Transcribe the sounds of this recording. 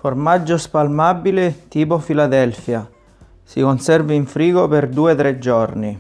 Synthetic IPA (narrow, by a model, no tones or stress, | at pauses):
formad͡ʒːospalmabilɪt̪iːp̬ofilad̪ɛlfja | sikonsɛrveiɱfɾiːɡoperd̪uːɛt̪ɾɛd͡ʒːɔrni